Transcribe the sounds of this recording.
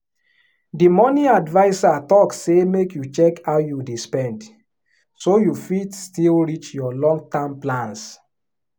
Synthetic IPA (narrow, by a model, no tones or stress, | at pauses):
dimɔnĩadvaɪsatɔksemekjut͡ʃɛkawjudispɛ̃nd | sojufidstilɹit͡ʃjɔlɔ̃ŋɡ̚tãmplãns